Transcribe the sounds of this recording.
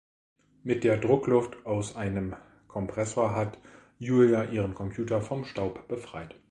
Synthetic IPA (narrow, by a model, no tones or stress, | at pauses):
mɪt̚d̥eːɐdʁʊklʊftʔaʊsʔaɪnəm | kʰɔmpʁ̥ɛsoːɐɦat | juːljaʔiːʁənkʰɔmpʰj̥uːtɐfɔmʃtaʊpb̥əfʁ̥aɪt